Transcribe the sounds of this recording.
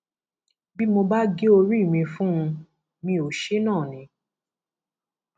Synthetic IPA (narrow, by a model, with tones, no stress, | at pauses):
bi˦mo˧ba˦ɡe˦o˧ɾi˦i˦˨mĩ˧fũ˦ũ˧ | mĩ˧o˨ʃe˦nãː˦˨nĩ˨˦